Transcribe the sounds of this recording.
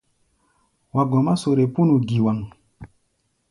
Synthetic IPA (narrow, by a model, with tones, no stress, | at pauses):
wa˨ɡɔ˨ma˦so˨ɾe˨pu˦nu˨ɡi˨wa˨ŋ